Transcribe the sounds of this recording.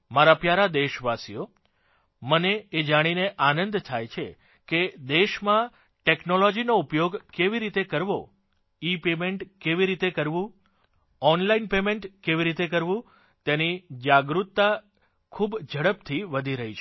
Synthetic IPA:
maɾapjaɾad̪eʃʋasijo | məneːd͡ʒaɽ̃ineʔanə̃nd̪t̪ʰajt͡ʃʰe | ked̪eʃmã | ʈeknolɔd͡ʒinoupjoɡkeʋiɾit̪ekəɾʋo | ipemeɳʈkeʋiɾit̪ekəɾʋũ | ɔnlainpemẽɳʈkeʋiɾit̪ekəɾʋũ | t̪enid͡ʒaɡɾut̪ːa | kʰubd͡ʒʱəɽəp̚t̪ʰiʋəd̪ʱiɾəɦit͡ʃʰe

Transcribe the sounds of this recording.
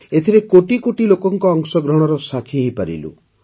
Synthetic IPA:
et̪ʰiɾekoʈikoʈilokɔŋkɔːŋsɔɡɾɔɽ̃ɔɾɔsakʰiɦipaɾḭlṵ

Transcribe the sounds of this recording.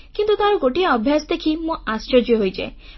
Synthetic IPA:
kint̪ut̪aɾɔɡoʈiaɔbʱjasɔd̪ekʰimũast͡ʃɔɾd͡ʒjɔɦojd͡ʒa̰j

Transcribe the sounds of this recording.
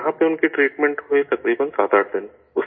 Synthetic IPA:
ɦãpeʊnkiʈɾiːʈmẽɳʈɦʊit̪ɐkɾiːbənsaːt̪aːʈʰd̪ɪn | ʊs

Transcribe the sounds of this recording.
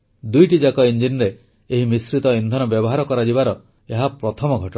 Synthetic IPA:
d̪ujʈid͡ʒakɔind͡ʒinɾeː | ɦimisɾit̪ɔind̪ʱɔnɔbjɔbɔɦaɾɔkɔɾad͡ʒibaɾɔ | eɦapɾɔt̪ʰɔmɔɡʱɔʈɔ

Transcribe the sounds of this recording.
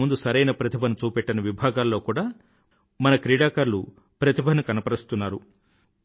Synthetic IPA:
und̪usɐɾɐjnɐpɾɐt̪ʰibʱɐnut͡ʃuːpɛʈːɐnɐʋibʱaːɡaːlːoːkuːɽaː | mɐnɐkɾiːɽaːkɐɾlṵ | pɾɐt̪ibʱɐnukɐnɐpɐɾist̪unːaːɾu

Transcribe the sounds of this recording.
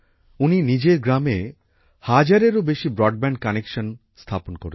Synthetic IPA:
uninid͡ʑeɾɡɾame | had͡ʑaɾeɾobeʃibɾɔɖ̚bɛɳɖ̚kanekʃon | st̪ʰaponkoɾe

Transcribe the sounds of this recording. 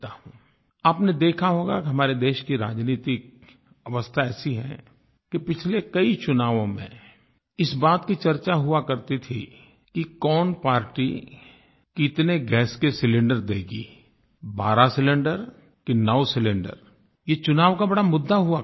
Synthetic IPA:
t̪aɦũː | aːpned̪eːkʰaɦoːɡa̰kiɦɐmaːɾed̪eːʃkiɾa̰ːd͡ʒniːt̪ɪk̚ | ɐʋəst̪ʰaɛːsiɦɛ̰̃ | kipɪt͡ʃʰlekɐit͡ʃʊnaːʋõmḛ̃ | ɪsbaːt̪kit͡ʃɐɾt͡ʃaɦʊakɐɾt̪it̪ʰḭ | kikɔːnpaːɾʈi | kiɪt̪neɡɛːskesɪlɪ̃ɳɖəɾd̪eːɡḭː | ba̰ːɾasɪlɪ̃ɳɖəɾ | kinɐʋsɪlɪ̃ɳɖə̰ɾ | jet͡ʃʊnaːʋkabɐɽamʊd̪ːaɦʊa

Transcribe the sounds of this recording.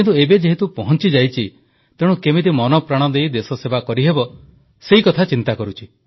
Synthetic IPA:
kint̪uebed͡ʒeɦit̪upɔɦɔnt͡ʃid͡ʒajt͡ʃʰi | t̪eɽ̃ũkemit̪imɔnɔpɾaɽ̃ɔd̪ejd̪esɔsebakɔɾiɦebɔ | seikɔt̪ʰat͡ʃint̪akɔɾut͡ʃʰi

